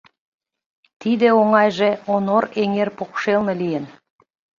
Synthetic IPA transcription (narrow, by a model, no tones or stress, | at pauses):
t̪id̪ĕoŋɑjʒeonoɾeŋerpokʃelˠnə̆lijən